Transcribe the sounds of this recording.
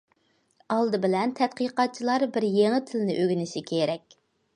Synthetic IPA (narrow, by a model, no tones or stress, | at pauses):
ɑlˠd̪ɨbɪlɛnt̪ʰɛt̪̚qəqɑt̪̚t͡ʃʰilˠɑɾbɪɾjeŋɪt̪ʰɪlɪnɪʔøɡʲynɪʃikʲʰeɾɛkʲ